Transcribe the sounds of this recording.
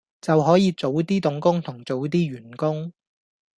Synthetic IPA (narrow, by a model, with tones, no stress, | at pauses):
t͡sɐ˨wɦɔː˨˥jiː˨˧t͡so˨˥wt̪iː˥t̪ʊ˨˥ŋkʊ˥ŋt̪ʰʊ˨˩ŋt͡so˨˥wt̪̬iː˥ɥyː˨˩nkʊ˥ŋ